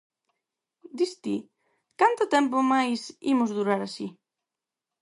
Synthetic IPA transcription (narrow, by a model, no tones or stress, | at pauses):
d̪ist̪i | kant̪ʊt̪ɛmpomajsḭmʊzðuɾaɾasi